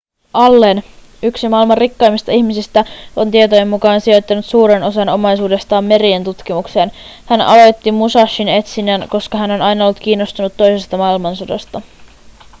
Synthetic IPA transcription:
ɑlːe̞n | yksimɑilmɑrikːɑjmist̪ɑiçmisist̪æo̞nt̪iet̪oje̞mːukɑːnsio̞jt̪ːɑnut̪suːɾeno̞sɑno̞mɑjsuːde̞st̪ɑːmːe̞ɾient̪ut̪k̟imukse̞ːn | hænɑ̰lo̞jt̪ːimusɑʃːine̞t̪sinænko̞skɑɦæno̞nɑjnɑolːut̪kiːnːo̞st̪unut̪ːo̞jse̞st̪ɑmɑilmɑnsodo̰st̪ɑ

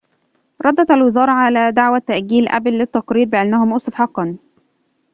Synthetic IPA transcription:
ɾˤɑd̪ˤːɑt̪alwɪzɑːɾˤɑʕalæːd̪aʕwæt̪ːæʔɡiːlʔæ̰blːɪt̪ːɑqɾiːɾbɪʔanːæhʊmʔʊsˤɑfħɑqːɑn

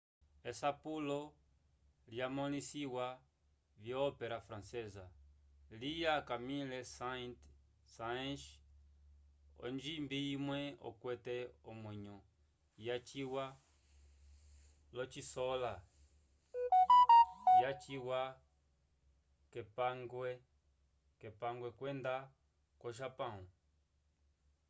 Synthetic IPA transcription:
esapulɔ | ljamɔlisiwa | vjɔːpeɾafɾãnsɛza | lijakamilesat | saʃ | ɔ̰nd͡ʒimbiimwɛɔ̰kwɛtɛomwɛɲɔ | jat͡ʃiwa | lɔt͡ʃisɔla | jat͡ʃiwa | kɛpaŋɡwɛ | kɛpaŋɡwɛkwɛnd̪a | kɔʃ̬apãũ

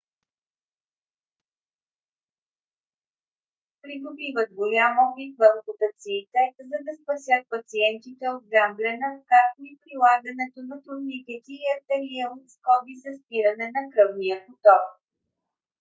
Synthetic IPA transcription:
pɾiɡ̪obivət̪̚ɡolʲamɔpit̪vɐmpʊt̪ət̪siːt̪ɛzɐd̪ɐspɐsʲjət̪̚pɐt̪siɛnt̪it̪ɛod̪̚ɡamblʲɛnəkaɾt̪oipɾilˠaɡɐnɛt̪onɐt̪ʊɾnik̪ɛt̪iːɐt̪ɛɾiɛlˠot̪skɔbizɐspiɾɐnɛnɐkɾɤvnijəpot̪ɔk

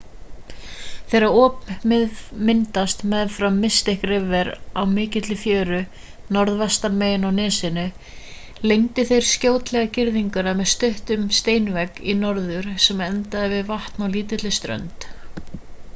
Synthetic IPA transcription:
θejɾaɔːp | mɪnt̪ast̪mɛðfɾamːɪst̪ɪhkrɪvɛɾawmɪːcɪt̪lɪfjœːɾʏ | nɔɾðvɛst̪aɾmeːjɪnawnɪːsɪnʏ | lejɲt̪ɪθejɾ̥scoːwt̪lɛɣacɪɾðiŋkʏɾamɛðst̪ʏht̪ʏmst̪eːjnvɛkinɔɾðʏɾ̥sɛmɛnt̪aðɪvɪðvaht̪nawliːt̪ɪt̪lɪst̪ɾœ̰nt̪

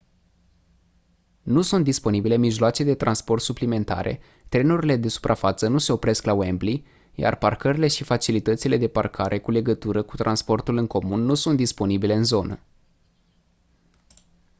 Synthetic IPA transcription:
nusunt̪̚d̪ispo̞nibile̞miʒloat͡ʃed̪e̞t̪ɾanspo̞rt̪suplime̞nt̪a̰ɾe̞̰ | t̪ɾe̞nuɾile̞d̪e̞su̥pɾʔafat̪sənuse̞o̞pɾe̞sklawembli | ja̰rparkəɾile̞ʃifat͡ʃilit̪ət̪sile̞d̪e̞parkʰaɾʔe̞kule̞ɡət̪uɾəkut̪ɾʔanspo̞rt̪ulɨŋko̞munːusunt̪d̪ispo̞nibile̞ɨnzo̞nə

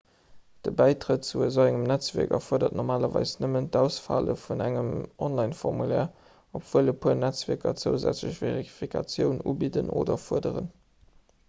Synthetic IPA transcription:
d̥əbæɪtʁət̚t͡suəzoæŋəmnæt͡svɛɐkɐ̰fuɐdɐt̚nɔʁmaːlɐvɑ̰ɪsnəməntdæʊsfa̰lə̰funæŋəmʔɔnlɑɪnfɔʁmulɛː | opv̥uələpʰuɐnæt͡svɛɐkɐt͡səʊzæ̰t͡sləɕv̥eʁiifikʰɑt͡sjəʊnuːbidəno̰ːdɐfuɐdəʁən

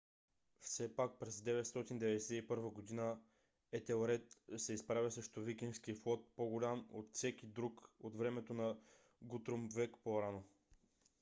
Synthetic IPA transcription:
fsɛpak̚pɾɛzd̪ɛvɛt̪st̪ɔt̪ind̪ɛvɛd̪ɛsɛipɤɾvəɡod̪inə | ɛt̪ɛoɾɛt̪sɛispɾavʲəsəʃt̪ovikʲinskiflˠɔt̪̚poɡʊlʲamot̪fsɛkʲid̪ɾukot̪vɾɛmɛt̪onɐ | ɡut̪ɾomvɛkpoɾano

